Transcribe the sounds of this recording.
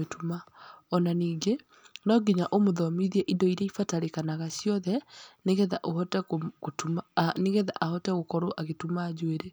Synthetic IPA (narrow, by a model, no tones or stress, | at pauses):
etʰumaɔnaniːŋɡe | nɔɡiɲaʔomoðɔmiðiɛʔidɔiɾɛifataɾekanaɣasjɔðɛneɣɛðaʔoɦɔtɛokotumaneɣeða̰ʔahɔtɛɣokɔɾoʔaɣetumaːd͡ʑweɾe